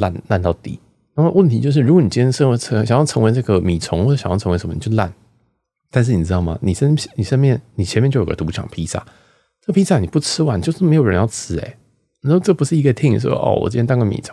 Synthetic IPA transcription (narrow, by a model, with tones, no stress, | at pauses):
la̰˥˧nla˥˧nt̪ɑ˥˩ʊt̪ḭ˥˩ | na˥˩˥wə˥˩nt̪ʰi˧˥t͡ɕjo˥˧ʊʂ̬ɻ̩˩ɻu˧˥ɡwɔ˧˦ni˨˩t͡ɕi˥nɛ˥ʂə˥nʰ˧˥ɤ˧˦ŋɕjɑ˨˩ŋjɑ˥˩ʊt͡sʰɤ˧˥ŋwe˧ɪna˥˩ɡə˨mi˨˩t͡sʰʊ˧˥ŋxw̩˥˩˧ɕɑ˨ŋjɑ˥˩ɤ˧˥ŋ˧˥ʂə˧˦mə˧˨ni˨˩t͡ɕʰla̰˥˩n | t̪a˥˧nʂ̬ɻ̩˥˩ni˨˩ɻ̩˥ɑ˥˩ʊmɐ̰˨˩ni˨˩ʂə˥n˥ni˨˩ʂə˥nmjɛ˥˩nni˨˩t͡ɕʰɛ˧nmjt͡ɕo˥˩jo˩ɡə˧˩t̪u˧˥t͡ɕʰɑ̰˨˩ŋpʰi˥sa̰˥˩ | n˥˩pʰi˥sa˥˩ni˨˩pu˥˩t͡sʰɻ̩˥wa˧˥n˨t͡ɕo˥˧ʊʂɻ̩˥˩m˧˥ɪjo˨˩ɻə̰˧˦jɑ˥˧ʊt͡sʰɹ̩˥ḛ˨˦ɪ | ni˨˥˧ʈ͡ʂɤ˥˩pu˧˥ʂɻ̩˥˩i˧˥ɡə˧t̪ʰi˥˩ŋ˨˩ʂɔ̰˥˦ʔɔ̰˥˩wɔ̰˨˩t͡ɕi˥ɛ˥t̪ɑ˥ŋɡə˥˩mḭ˨˩t͡sʰo̰˧˦ŋ